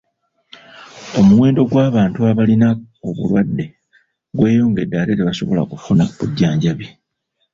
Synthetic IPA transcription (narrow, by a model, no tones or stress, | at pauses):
o̞muwe̞ːndo̞ɡwaːβaːntuaβalina | oβṵlwadːe̞ | ɡwe̞ːjo̞ːŋɡe̞daɾe̞ɾeβaso̞βo̞la̰kufunaβuɟːaːɲɟaβi